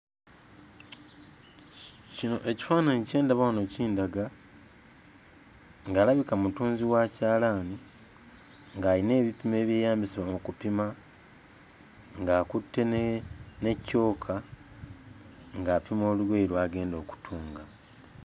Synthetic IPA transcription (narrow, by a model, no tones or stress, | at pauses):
cino̞ʔe̞ci̥faːnanice̞ːndaβawanociːndaɡa | ŋɡaːlaβikamutuːnziwacaːlaːni | ŋɡaːline̞ːβipime̞ːβje̞ːjaːmbisiβamukupima | ŋɡaːkutːe̞ | ne̞cːo̞ːkʰa | ŋɡaːpimo̞ːluweiɾwaːɡe̞ːndo̞ːku̥tʰuːŋɡa